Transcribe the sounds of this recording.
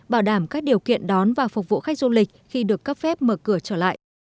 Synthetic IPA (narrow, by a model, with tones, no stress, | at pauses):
ɓaː˧˩wɗaː˧˩mkaː˦˥k̚ɗi˨˩əwkḭ˧˨ənɗɔ˨˦nvaː˨˩fʊ˨˩k͡p̚vṵ˧˨xa˦˥k̟̚zu˧lï˨˩k̟̚xi˧ɗɨ˨˩əkːə˦˥p̚fɛ˦˥p̚məː˨˩kɨ˧˩ət͡ɕəː˧˩la̰ː˧˨ʔ